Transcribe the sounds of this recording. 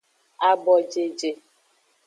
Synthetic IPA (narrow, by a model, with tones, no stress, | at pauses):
a˨bɔ˨d͡ʒe˨d͡ʒe˨